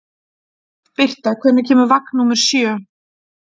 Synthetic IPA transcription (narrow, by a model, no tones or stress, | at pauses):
pɪr̥t̪akʰvɛːnʏcʰɛːmʏɾvaknːumɛɾ̥sjœː